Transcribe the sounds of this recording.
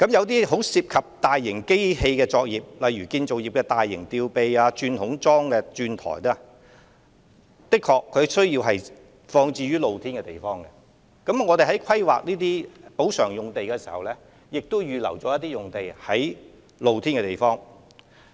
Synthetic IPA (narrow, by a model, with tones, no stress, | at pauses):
kɐ˨˥mjɐ˨˧wt̪iː˥ɦo˨˥wsiː˧p̚kʰɐ˨p̚t̪aː˨jːɪ˨˩ŋke˥jhe˧jkɛː˧t͡ʃɔː˧k̚jiː˨p̚lɐ˨jɥyː˨˩kiː˧nt͡so˨wjiː˨p̚kɛː˧t̪aː˨jːɪ̰˨˩ŋt̪iː˧wpe˨jaː˧t͡ʃyː˧nhʊ˨˥ŋt͡sɔː˥ŋkɛː˧t͡ʃyː˧nt̪ʰɔ̰ː˨˩jt̪ɔ˥ | t̪ɪ˥kʰɔː˧kʰːɵ˨˧sɵ˥ɥjiː˧wɦɐ˨j | fɔː˧ŋt͡siː˧ɥyː˥lo˨˧wt̪ʰiː˥nkɛ˧t̪e˨˩jfɔː˥ŋkɛ˧ | kɐ˨˥mŋɔː˨˧e˨˩ɦɐ˨˥jkʰɐ˥jwa̰ː˨k̚niː˥t̪iː˥po˨˥wsœː˨˩ŋjʊ˨ŋt̪e˨jkɛː˧si̥ː˨˩hɐ˨wlɛː˥ | jɪ˨k̚t̪o˥wjyː˨˧lɐ̰˨˩wt͡ʃɔː˨˥jɐ˥t̪ːiː˥jʊ˨ŋt̪e˨jhɐ˨˥j | lo˨˧wt̪ʰiː˥nkɛː˧t̪e˨˩jfɔː˥ŋ